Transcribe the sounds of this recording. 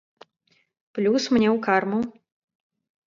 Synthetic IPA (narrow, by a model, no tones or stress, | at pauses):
plʲusmnʲɛwkarmu